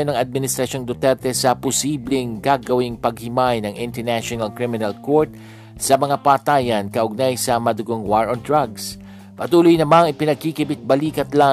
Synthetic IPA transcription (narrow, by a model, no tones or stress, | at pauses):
onɐŋɐd̪̚mɪnɪst̪ɾɐʃo̞ŋd̪ot̪ɛɾt̪ɛsɐpʊsiːblɪŋɡaːɡɐwɪŋpɐɡ̚hɪmajnɐŋʔɪnt̪ɛɹnaʃonɐlkɾimɪnɐlkoɹt̪̚ | sɐmɐŋapaːt̪aːjɐnkɐʔʊɡ̚najsɐmɐd̪ʊɡoŋwaɹond̪ɹaɡs | pɐt̪uːlʊjnɐmaŋɪpɪnɐɡ̚kikɪbɪt̪̚bɐliːkɐt̪la